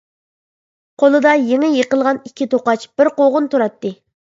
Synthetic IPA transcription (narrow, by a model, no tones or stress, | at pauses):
qʰolˠɨd̪ɑjeŋɪjeqəlˠʁɑnikʲʰːit̪ʰoqɑt͡ʃb̥ɪɾqoʁʊnt̪uɾɑt̪ːɨ